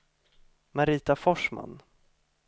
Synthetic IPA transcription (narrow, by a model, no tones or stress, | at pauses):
maɾiːt̪afɔʂma̰nː